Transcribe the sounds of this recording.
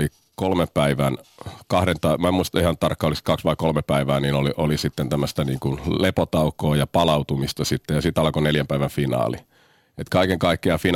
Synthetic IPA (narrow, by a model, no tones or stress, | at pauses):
i | kolmeppæiʋænkɑhɾent̪ɑmæmuist̪ɑihɑnt̪ɑrkːɑolist̪kɑksʋɑikolmepæiʋæːniːnoliʔolisit̪ːent̪æmːˑøst̪æniːŋkunlepot̪ɑukːˑoːjɑpɑlɑut̪umist̪ɑsit̪ːejɑsit̪ɑlkoneljæmpæiʋænfinɑ̰ːli | et̪kɑikeŋkɑikːeɑfin